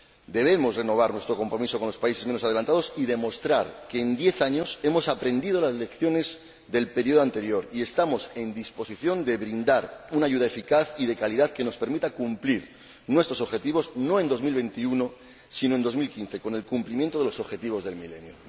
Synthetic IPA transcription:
d̪e̞β̞e̞mo̞sre̞no̞β̞aɾnwe̞st̪ɾo̞ko̞mpɾo̞miso̞konlo̞spaise̞zme̞nosaðe̞lant̪aðo̞siðe̞mo̞st̪ɾaɾke̞ːnd̪je̞θaɲo̞se̞mo̞sapɾe̞nd̪ið̞o̞laselekθjo̞ne̞z | ðe̞lpe̞ɾio̞ð̞oant̪e̞ɾjo̞ɾie̞st̪amo̞se̞nd̪ispo̞siθjo̞nd̪eβɾind̪aɾunaʝuðae̞fikaθiðe̞kaliðaðke̞no̞spe̞ɾmit̪akumpliɾ | nwe̞st̪ɾoso̞βxe̞t̪iβo̞zno̞e̞nd̪o̞zmilβẽ̞nt̪iuno̞ | sinoe̞nd̪o̞zmilkin̟θe̞ko̞ne̞lkumplimje̞nt̪oelo̞so̞βxe̞t̪iβ̞o̞zðe̞lmile̞̰njo

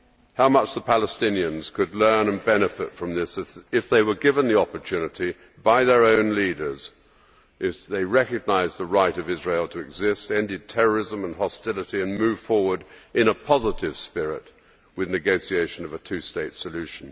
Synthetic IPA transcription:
haʊmʌt͡ʃðəpʰælˠəstɪ̃niɨ̃nz̥kʰɨdˡlɜ̃˞nə̃nbɛnɨfɨ̰tfɹʌ̃mðɪsɨɨfðeɪwə˞ɡɪvə̃nðiɑpə˞tʰʉnɨɾi | baɪðə˞õʊ̃nliɾə˞z̥ | ʔɪfðeɪɹɛkɨɡ̚naɪzðəɹaɪɾʌvɪzɹeɪlˠtʰɨɨɡzɪstɛ̃ndɨd̚tʰɛɹə˞ɪzə̃mə̃nɦɑstɪlˠəɾiɨ̃nmʉv̥fɔɹwə˞ɾʔɨ̃nəpʰɑzəɾɪv̥spɪɹɪt̚ | wɨðnɨɡoʊsieɪʃɨ̃nʌvɨtʰʉsteɪtsɨlʉʃn̩

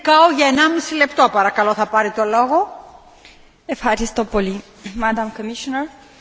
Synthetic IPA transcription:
kɐoʝɐenɐmisile̞pt̪o̞pɐɾɐkɐloθɐpɐɾit̪o̞loɣo | efxɐɾist̪o̞poli | mɐd̪ɐmkomiʃonɐɾ

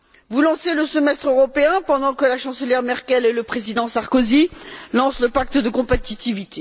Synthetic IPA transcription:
vulɑ̃seləsəmɛst̪χøʁɔpeɛ̃pɑ̃d̪ɑ̃kəlaʃɑ̃səljɛʁmɛʁkʲɛleləpχezid̪ɑ̃saʁkozilɑ̃sləpak̚t̪d̪əkɔ̃pet̪it̪ivit̪e

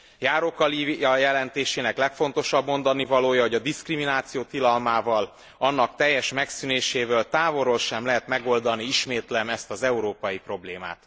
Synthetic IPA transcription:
jaːɾokɒliɒjɛlɛnt̪eːʃeːnɛklɛkfo̞nt̪o̞ʃɒbmo̞nd̪ɒnivɒloːjɒɦo̞ɟɒd̪iskriminaːt̪sijoːt̪ilɒlmaːvɒl | ɒnːɒkt̪ɛjːɛʃmɛksyneːʃeːvølt̪aːvo̞ɾolʃɛmlɛɦɛt̪mɛɡo̞ld̪ɒniiʃmeːt̪lɛmɛst̪ɒzɛuɾoːpɒjipro̞bleːma̰ːt̪

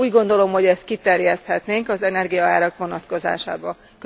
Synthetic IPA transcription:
uːɟɡo̞nd̪o̞lo̞mho̞ɟɛst̪̚kit̪ɛrjɛst̪hɛt̪neːŋkɒzɛnɛrɡijɒaːɾɒkʋo̞nɒt̪ko̞za̰ːʃa̰ːbɒ | k

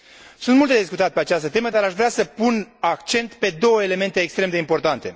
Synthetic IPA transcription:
sunt̪mult̪ed̪is̬kut̪at̪̚pe̞at͡ʃast̪ət̪e̞məd̪aɾaʃvɾeasəpunakt͡ʃe̞nt̪pe̞d̪o̞wəele̞me̞nt̪e̞ːkst̪ɾe̞md̪eimpo̞rt̪ant̪e̞

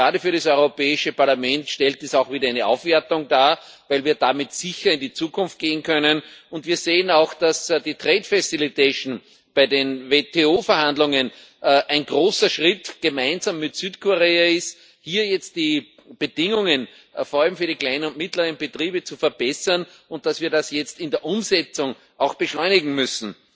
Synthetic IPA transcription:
ʁaːɾəfyːɐɾasɔʏʁopɛːɪʃəpaɐlamɛntʃtɛlt̚isaʊxv̥iːdɐæɪnəʔa̰ʊfv̥ɛɐtʊŋdaː | væɪlviːɐdamɪtsɪçɐɪ̃ndit͡suːkʰʊnft̚ɡ̥eːənkʰœnənʊ̃ntviːɐzeːənaʊxd̥asd̥iːtʁeːtfɛsɪlitʰeʃn̩ | b̥aɪdenvetʰeoːfɛɐhãndlʊŋən | ʔʔæɪnɡ̥ʁoːsɐʃʁɪtɡ̥əmæɪnzamːɪtsyːtkʰoʁeːaɪst | hiːɐjɛt͡st̚d̥iː | b̥əd̥ɪŋʊŋən | foːɐalmfyːɐɾiklaɪnənʊnt̚mɪtlɐʁənb̥ətʁiːbət͡sufɛɐb̥ɛsɐn | ʊ̃nt̚d̥asviːɐɾasjɛt͡stɪ̃ndeːɐʔʊmzɛt͡sʊŋ | ʔaʊxb̥əʃlɔʏnɪɡŋ̩mʏsn̩

